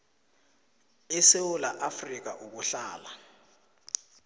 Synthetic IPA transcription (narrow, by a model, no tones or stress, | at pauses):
ɛsewulaʔafrik̬aʔuk̬uɬaːla